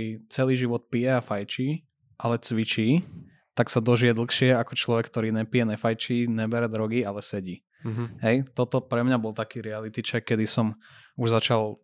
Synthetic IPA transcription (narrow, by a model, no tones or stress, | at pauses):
iːt͡sɛliːʒiʋɔt̪̚pijɛafajt͡ʃiː | ʔalɛt͡sʋit͡ʃiː | t̪aksad̪ɔʒijɛd̪l̩xʃɪɛakɔt͡ʃlɔʋɛkːt̪ɔɾiːɲɛpijɛɲɛfajt͡ʃiːɲɛbɛɾɛd̪ɾɔɡialɛsɛɟiː | ɦɛjt̪ɔt̪ɔpɾɛmɲabɔlˠt̪akiːɾɛalit̪it͡ʃɛkːɛd̪isɔm | uʒzat͡ʃalˠ